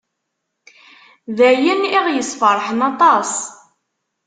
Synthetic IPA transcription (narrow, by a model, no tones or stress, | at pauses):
ðæjəniʁjəsfəɾˤħənɑt̪ˤɑs